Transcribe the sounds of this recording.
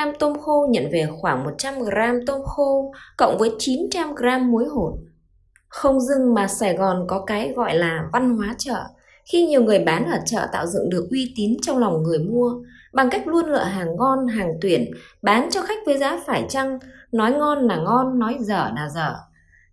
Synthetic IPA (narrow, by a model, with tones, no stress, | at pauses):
aː˧mt̪o˧mxo˧ɲə̰˧˨nve˨˩xwaː˧˩ŋmo˨˩t̚t͡ɕa˧mɣɾaː˧mt̪o˧mxo˧kə̰˧˨wŋ͡mvəː˨˦jt͡ɕi˨˦nt͡ɕa˧mɣɾaː˧mːu˨˦jɦo˨˩t̚ | xə˧wŋ͡mzɨ˧ŋmaː˨˩saː˧˩jɣɔ˨˩nkɔ˨˦kaː˨˦jɣɔ̰˧˨jlaː˨˩va˧nɦwaː˨˦t͡ɕə̰ː˧˨ | xi˧ɲi˨˩əwŋ͡mŋɨ˨˩əjɓaː˨˦nʔaː˨˩t͡ɕə̰ː˧˨t̪a̰ː˧˨wzɨ̰˧˨ŋɗɨ˨˩ək̚ʔwi˧t̪i˨˦ənt͡ɕɔ˧wŋ͡mla˨˩wŋ͡mŋɨ˨˩əjmu˧ə | ɓa˨˩ŋka˦˥jk̚lu˧ənlɨ̰˧˨ɦaː˨˩ŋːɔ˧nɦaː˨˩ŋt̪wi˧˩ənɓaː˨˦nt͡ɕɔ˧xa˦˥jk̟̚vəː˨˦jzaː˨˦faː˧˩jt͡ɕa˧ŋnɔ˨˦jŋɔ˧nlaː˨˩ŋɔ˧nːɔ˨˦jzəː˧˩naː˨˩zəː˧˩